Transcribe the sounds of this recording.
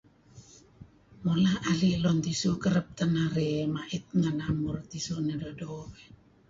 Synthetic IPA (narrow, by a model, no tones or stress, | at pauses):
molaʔalilont̪isukəɾəp̚t̪anaɾemaʔit̪̚ŋanamurt̪isunedodoβe